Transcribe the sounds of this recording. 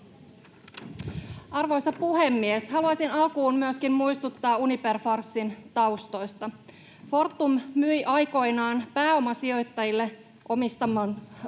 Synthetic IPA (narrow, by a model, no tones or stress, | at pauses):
ɑrʋo̞jsɑpuɦe̞mːieshɑluɑsinɑlkuːmmyøskimmujst̪ut̪ːɑːuniperfɑrsːint̪ɑwst̪o̞jst̪ɑ | fo̞rt̪ːummyjʔɑjko̞jnɑːnpæːo̞mɑsio̞jt̪ːɑjilːe | ʔo̞mist̪ɑmɑːn